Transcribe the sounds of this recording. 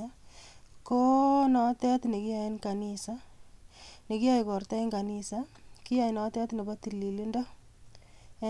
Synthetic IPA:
ko˦nɔ˦tɛ˦tne˨ki˦ja˨e˦nka˨nisa | ne˨kɪ˦ja˦jkɔ˨ɾta˦i˦ŋɡa˨nisaki˦ja˨jnɔ˦tɛ˦tne˨ba˦ti˨lːi˨li˦ndɔ˦

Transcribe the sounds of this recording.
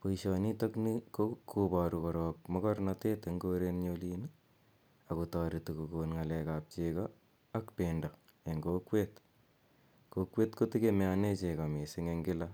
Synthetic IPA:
po˨iʃɔni˦to˦kni˦kokʰːuba˨ɾukɔɾɔːk̚mɔ˦kɔ˦rnate˦te˨ŋɡoɾenɲolini | aku˨tɔːɾi˨tu˨ku˨konŋa˨lɛkap̚t͡ʃeka | a˦kpeːndɔ˨ | e˨ŋɡokwet | kokwe˦tko˦ti˦keme˨ane˦t͡ʃe˨ka˨me˨sɪ˦ŋe˦ŋɡɪ˦la

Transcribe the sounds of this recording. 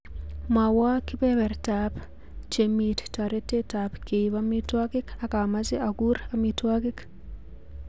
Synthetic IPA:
ma˨wa˦kɪ˦bɛ˦bɛ˨rta˨p | t͡ʃe˨mi˨tta˨ɾe˦te˦ta˨pke˨i˨βa˦mi˦twa˦kɪ˦ka˨˦ka˨ma˦sɪ˦a˨ɡu˦ɾa˦mi˦twa˦kɪ˦k

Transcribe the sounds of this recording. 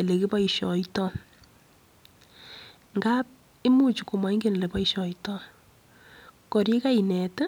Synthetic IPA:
e˨le˨ke˦pɔ˦iʃɔ̰˨itɔ˦ | ŋɡa˦p̚ | e˦mu˦t͡ʃu˨ku˨ma˨i˦ŋɡe˦ne˨le˨pɔ˦iʃɔ˨itɔ˦ | kɔ˨ɾje˦ka˦i˨nɛ˨t

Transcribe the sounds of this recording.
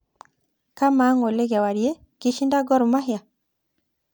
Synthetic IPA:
ka˦ma˨˦ŋo˨le˦ɡa˨wa˨ɾje˦ | ki˦ʃi˦nda˦ɡɔ˦ɾu˨ma˦ɦja˨

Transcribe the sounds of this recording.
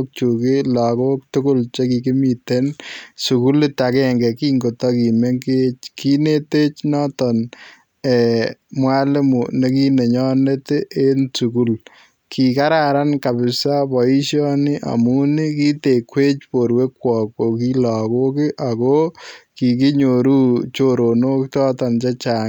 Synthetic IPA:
k̚t͡ʃukɪ˦la˨ko˦k̚tʊ˦kʊ˦lt͡ʃe˦ki˨kɪ˦mi˨te˦nsu˨ku˦lita˨kɛŋɡɛ˨ki˦ŋɡo˨tɔ˦ki˨me˦ŋket͡ʃkʰi˦ne˦te˦t͡ʃnɔ˦tɔ˨n | ɛ˨mwa˦lɪ˦mu˨ne˨ki˦ne˨ɲɔ˦ne˦te˦ʔe˦nsu˨ku˦l | kʰi˨ka˦ɾa˨ɾa˦nka˨bɪ˨sa˦pɔ˨i˦ʃjɔ˦nɪ˦ʔa̰˨mu˦ni˦ki˦te˨kwe˦t͡ʃpo˨ɾwe˦kwɔ˨k̚o˨ki˦lɔ˨ko˦ki˦ʔa˨koki˨k̬i˦ɲo˨ɾuː˦t͡ʃo˨ɾo˨no˦k̚tɔ˦tɔ˨nt͡ʃa˦t͡ʃa˨ŋ

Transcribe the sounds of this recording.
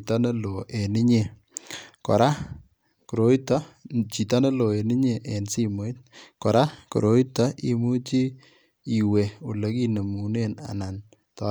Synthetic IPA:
ta˦ne˦lo˨ʔe˨ni˦ɲe˨ | kɔ̰˨ɾa˦ | ku˨ɾo˨˦i˦ta˦t͡ʃi˨ta˦ne˦lo˨e˨ni˦ɲe˨ʔe˨nsi˦mo˨˦t̚kɔ˨ɾa˦kṵ˨ɾo˨˦i˦ta˦ʔi˨mu˦t͡ʃi˦ | i˨we˨u˨le˦ki˦nə˨mu˨ne˦na̰˨na˨n | tɔ˦

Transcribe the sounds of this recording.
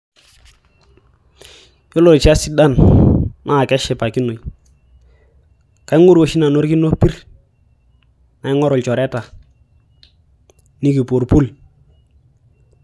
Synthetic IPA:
jo˦lo˨ɾt͡ʃa˦si˦da˦˨nna˦˨kɛ˦ʃɛ˨pa˨ki˦no˨j | ka˨i˦ŋu˦ɾo˨ʃi˦na˨no˦ɾki˦no˦pi˦ɾ | na˨ɪ˦ŋɔ˦ɾʊ˨lt͡ʃɔ˨ɾɛ˦ta˨ | ni˦ki˨po˨ɾpu˦l

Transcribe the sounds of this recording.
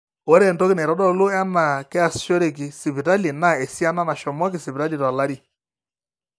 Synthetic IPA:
ɔ˦ɾɛ˦˨ntɔ˦kɪ˦nɛ˨ɾɔ˦ɗɔ˦lo˦a˦na˨kɛ˦a˨st͡ʃɔ˦ɾe˨k̬i˨si˨pi˨ta˦li˨na˦˨e˨si˦a˦na˦na˨ʃɔ˨mɔ˦k̬i˨si˨pi˨a˦li˨ta˨la˦ɾi˦˨

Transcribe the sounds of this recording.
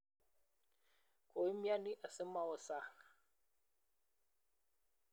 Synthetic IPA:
kʰo˨i˦mja˦ni˦ʔa˨sə˦ma˦˨wɔ˨sa˦

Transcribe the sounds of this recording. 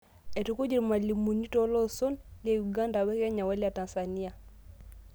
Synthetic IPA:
ɛ˨tu˦ku˦d͡ʒi˨ɾma˨li˨mu˨ni˦tɔ˦lɔ˦sɔ˦nlia˨ju˨ɡa˦nda˨wɛ˦kɛ˦ɲa˨wa˦li˦a˨ta˨nsa˨ni˦a˨

